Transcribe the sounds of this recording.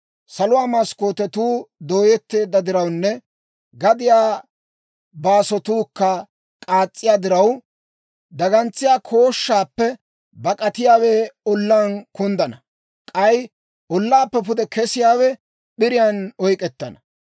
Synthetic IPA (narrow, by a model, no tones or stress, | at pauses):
sɐlʊwaːmɐskoːt̪ɛt̪uːd̪o̞ːjɛt̪ːe̞ːd̪ːɐd̪ɪɾɐwnːɛ | ɡɐd̪ɪjaː | baːsɔt̪uːkːɐ | kʼaːt͡sʼːɪjaːd̪ɪɾɐw | d̪ɐɡɐnt͡sːɪjaːkʰo̞ːʃːaːpːɛ | bɐkʼɐt̪ɪjaːweːɔlːaːnkʊnd̪ɐnɐ | kʼɐj | ʔɔlːaːpːɛp̬ʊd̪ɛkɛsɪjaːwɛ | ɓɪɾɪjɐnɔjkʼɛt̪ːɐnɐ